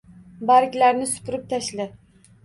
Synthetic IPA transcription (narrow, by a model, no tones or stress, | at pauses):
baɾɪkʲlaɾnɪsʊ̥pʰʊɾɪp̚t̪ʰaʃlɪ